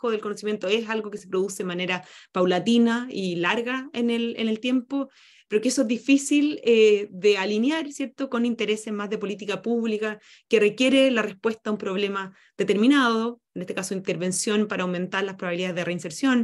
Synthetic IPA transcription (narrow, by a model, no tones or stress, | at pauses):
oðe̞lkonosimje̞nt̪oesalɣokesepɾoðusemaneɾapawlat̪inailaɾɣaenelḛnelt̪je̞mpo̞ | peɾokeesoezðifisileðealinjaɾsje̞ɾt̪okonint̪eɾe̞se̞zmazðe̞polit̪̬ikapuβlika | kerekje̞ɾelarespwe̞st̪aːumpɾo̞βlema | ðet̪eɾminaðoene̞st̪ekasoint̪eɾβe̞nsjo̞npaɾaːwme̞nt̪aɾlaspɾoβaβiliðaeðereinseɾsjo̞n